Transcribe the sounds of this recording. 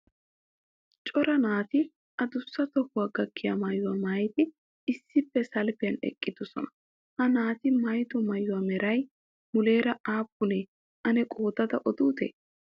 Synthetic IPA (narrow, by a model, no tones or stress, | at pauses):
t͡ʃʼɔɾɐnaːt̪ɪ | ʔɐd̪ʊsːɐt̪ɔkːʊwaːɡɐkʰːɪja̰mɐjʊwaːmajt̪ɪ | ɪsːɪpːɛsɐlpɪjɐnɛ̰kʼːɪd̪̥ɔsɔ̰nɐ̥ | hɐnaːt̪ɪmɐjt̪ɔmɐjʊwaːmɛɾɐj | mʊleːɾɐaːpːʊneː | ʔɐnɛkʼo̞ːd̪ɐd̪ɐʔɔd̪uːt̪ḛː